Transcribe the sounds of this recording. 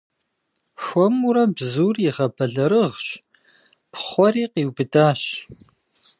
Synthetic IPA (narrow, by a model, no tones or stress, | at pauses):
xʷɔmuɾɐbzuːrjɪʁɐbɐɮɐɾɨʁɕ | pχʷɔriːqiːwbɨdaːɕ